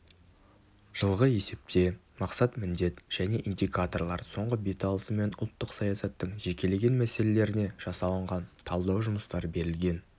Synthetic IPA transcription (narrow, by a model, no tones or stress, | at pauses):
ʒ̥əlˠʁəe̞se̞p̚t̪e̞ | mɑqsɑt̪mɪnd̪e̞t̪ʒ̥æne̞ʔind̪ʲikat̪o̞rlˠɑɾso̞ɴʁəbet̪alˠəsəme̞nʊlˠt̪ːəqsɑjɑsɑt̪ːəɴʒe̞kʲe̞le̞ɡʲe̞nmæse̞le̞le̞ɾɪne̞ʒ̥ɑsɑlˠəɴʁɑnt̪ʰɑlˠd̪ɑwʒʊməst̪ɑɾəbe̞ɾɪlɡʲe̞n